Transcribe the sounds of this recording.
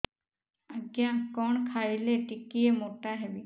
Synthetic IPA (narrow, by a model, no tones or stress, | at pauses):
əɡjakɔːɳkʰaːileʈikiemoːʈaɦɛbi